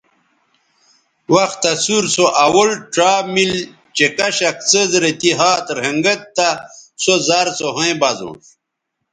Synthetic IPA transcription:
wɐxt̪ɐsuɾsoʔawoɭʈ͡ʂaːmil | t͡ɕekɐɕɐk̚t͡səzɾet̪iɦaːt̪ɾeŋɡɐt̪ːasozaɾsoɦõj̃bɐzõ̰ʂ

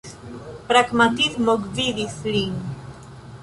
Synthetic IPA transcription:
pɾaɡmat̪itmoɡviðiθliŋ

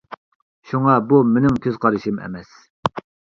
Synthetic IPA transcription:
ʃuŋɑbumenɪŋkʲʰøz̥qʰɑɾɨʃimɛ̰mɛs

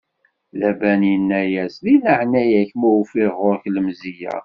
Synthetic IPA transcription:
læbænjənːæjæslinəʕnæjæçmufiʁʊɾçləmzijæ̰

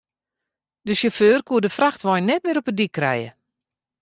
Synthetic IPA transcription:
dəsəføːrkuədəfraxtʋɔjnːɛt̚mɪəɾɔpədikːrɛ̰jə̰

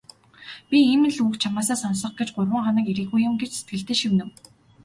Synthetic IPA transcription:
pʲiiːmɘ̆nɮuːkt͡ɕʰamaːsaːsɔnsɞ̆χɡet͡ɕɢʊrʁə̆ŋχanə̆kiɾiːxujʊ̆mɡet͡ɕse̥t̪̚ɡɘ̆ɬt̪eːʃimnɘ̆w

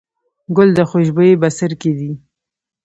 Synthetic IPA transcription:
ɡʊld̪əxoʃbəebasəɾked̪i

